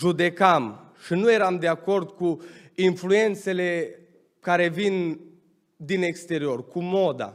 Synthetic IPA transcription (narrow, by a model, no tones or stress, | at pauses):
ʒud̪e̞kam | ʃinuje̞ɾamd̪e̞ako̞rd̪kuinflue̞nt̪se̞le̞ | kaɾe̞vin | d̪inekst̪e̞ɾio̞rkumod̪a̰